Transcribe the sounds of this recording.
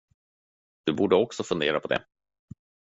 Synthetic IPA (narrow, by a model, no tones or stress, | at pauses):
d̪̥ɵbuːɖəɔksɔfɵnd̪eːɾapʰɔd̪ɛ̰